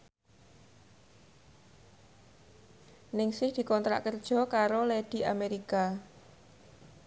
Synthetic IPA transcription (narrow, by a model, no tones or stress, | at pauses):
nɪŋsɪhd̪̥i̤kɔnt̪ɾa̰ʔkərd̥ʒ̥ɔ̤kaɾoleɖ̪̥i̤ameɾika